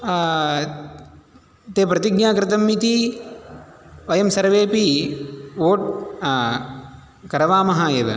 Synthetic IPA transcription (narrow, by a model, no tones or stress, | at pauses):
t̪eːpɾɐt̪iɡnaːkɾɪt̪ɐmːit̪i | ʋɐjɐmsɐɾʋeːpi | ʋoːʈ̚ | kɐɾɐʋaːmɐɦaːjeːʋɐ̰